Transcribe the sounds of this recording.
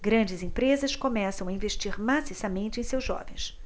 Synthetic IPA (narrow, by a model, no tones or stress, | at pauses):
ɡɾɐ̃nd͡ʒɪzẽpɾezɐskomɛsɐ̃w̃ɐĩveʃt͡ʃiɾmasisɐmẽnt͡ʃɪẽj̃sewzʒɔ̰vẽj̃s